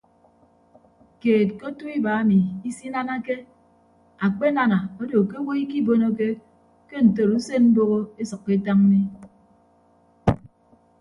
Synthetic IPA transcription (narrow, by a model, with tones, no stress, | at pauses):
keː˨t̚ko˦tu˦i˦ba˨a˦mi˨i˦si˦na˦na˦ke˦ | a˨k͡pe˦na˦na˨o˦do˨ke˦wo˦i˦ki˦bo˦no˦ke˦ | ke˦n̩˨to˨ɾu˦se˦nm̩˦bo˦ɣo˦e˦sʌ˨kːe˦ta˦ŋ˦ni˦